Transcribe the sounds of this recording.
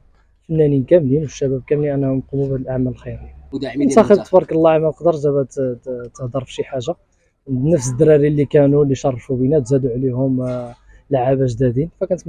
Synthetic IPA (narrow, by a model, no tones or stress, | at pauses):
fənːæninkæmlinwʃːæbæb̚kæmliʔænːæhmqumublʔaʕmæləlxijɾinsɑxəbt̪bɑɾˤklːɑʕamælqd̪əɾˤʒæbæt̪əhd̪əɾˤfʃiħaʒːa | nəfsəd̪ɾɑɾilːikænulːiʃɑrˤːɑfubinæt̪zæd̪uʕlihʊm | laʕabæʒd̪æd̪infækænət̪